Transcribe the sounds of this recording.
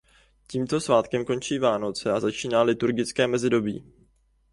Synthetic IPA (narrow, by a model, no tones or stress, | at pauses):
ciːmt̪o̞svaːt̪kɛmko̞nt͡ʃiːvaːno̞t͡sɛazat͡ʃiːnaːlɪt̪uɾɡɪt͡skɛːmɛzɪdo̞bḭː